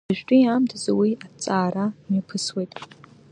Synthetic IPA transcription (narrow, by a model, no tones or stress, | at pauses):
aʒᶣtʼʊjamtʰzawiat͡sʼaːɾanipʰɨswejtʼ